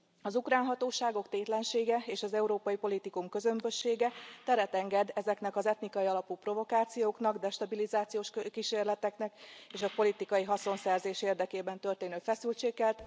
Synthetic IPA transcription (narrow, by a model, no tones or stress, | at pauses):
ɒzukraːnɦɒt̪oːʃaːɡo̞kt̪eːt̪lɛnʃeːɡɛeːʃɒzɛuɾoːpɒjipo̞lit̪ikumkø̞zø̞mbø̞ʃːeːɡɛt̪ɛɾɛt̪ɛŋɡɛd̪ɛzɛknɛkɒzɛt̪nikɒjiɒlɒpupro̞vo̞kaːt̪sijoːkn̪ɒɡd̪ɛʃt̪ɒbilizaːt̪sijoːʃkiʃeːrlɛt̪ɛknɛkeːʃɒpo̞lit̪ikɒjiɦɒso̞nsɛrzeːʃeːrd̪ɛkeːbɛnt̪ø̞rt̪eːnøːfɛsylt͡ʃeːkːɛlt̪